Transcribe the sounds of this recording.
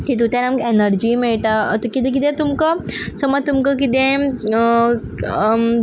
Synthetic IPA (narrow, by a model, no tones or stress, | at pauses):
t̪it̪̬ut̪ɛ̃namkenəɾd͡ʑiːmiɭʈ̪at̪kit̪ẽk̬it̪ẽt̪umkəsəmat̪umkəkit̪ẽ